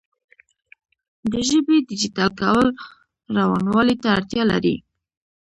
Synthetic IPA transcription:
d̪əʒəbed̪ɪd͡ʒit̪ɑlkawəl | ɾawɑnwɑlit̪aːɽt̪jɑla̰ɾḭ

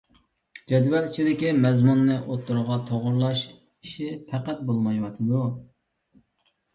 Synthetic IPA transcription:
d͡ʒɛd̪wɛɾit͡ʃʰid̪ɪkʲimɛzmunːɨʔot̪ːuɾʁɑt̪ʰoʁʊɾlˠɑʃ | iʃipʰɛqæt̪̚bolˠmɑjwɑt̪ʰɨd̪u

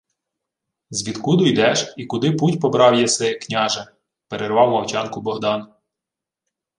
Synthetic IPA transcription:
zʋʲid̪kud̪ʊjd̪ɛʒikʊd̪ɪputʲpɔbɾɑwjɛsɛknʲɑʒɛ | peɾerʋɑwmɐwt͡ʃɑnkʊbɔɦd̪ɑn

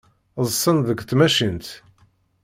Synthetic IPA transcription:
zˤsˤənðəkʷθmæʃint̪

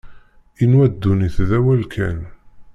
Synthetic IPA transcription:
inwæd̪ːuniθðæwælkʰæ̰n

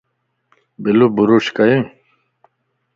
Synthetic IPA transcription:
bilubuɾuɕkɐjĩ

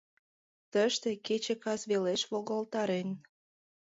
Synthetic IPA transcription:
t̪əʃt̪eket͡ɕekɑzβeleʃβoɣolt̪ɑɾen

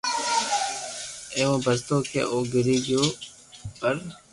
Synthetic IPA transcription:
eːʋãːbəst̪oːkḛːʔoːɡɪɾiːɡjoː | pəɾ

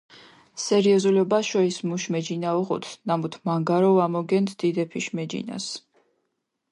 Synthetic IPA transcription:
sɛɾiɔzulɔbaʃɔismuʃmɛd͡ʒinaɔʁɔ̰t̪ʰnamut̪ʰmaŋɡaɾɔvamɔɡɛnt̪ʰd̪̥id̪ɛpʰiʃmɛd͡ʒḭna̰s

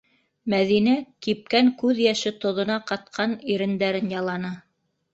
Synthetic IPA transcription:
mæðinæk̪ip̚kæŋkʉðjæʃɘt̪ŏðŏnɑqɑt̪̚qʰɑniɾɘ̆nd̪æɾɘnjɑlˠɑnɤ

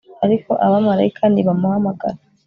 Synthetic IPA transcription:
aɾiko̞ʔaβamaɾajikʰaːndiβamuhamaɡa̰ɾa

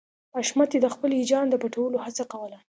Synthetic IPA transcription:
aʃmat̪jed̪əxpəlid͡ʒɑnd̪əpaʈawəlohat͡sakawəla

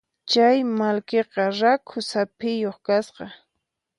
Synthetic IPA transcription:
t͡ʃajmalkeqɑɾakʰʊsapɪjoχkasqɑ

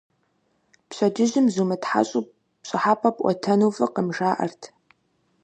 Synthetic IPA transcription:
pɕɐdɪʑɪmzumɨtħa̰ɕʼu | pɕʼɪħaːpʰʼɐpʼʔʷʼɔ̰tʰɐnufɨqəmʒaːʔɐ̰rtʰ

